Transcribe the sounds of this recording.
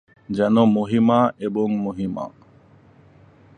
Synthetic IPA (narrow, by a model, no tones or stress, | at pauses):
d͡ʒɐnomuɦimaːʔebuŋmuɦima̰ː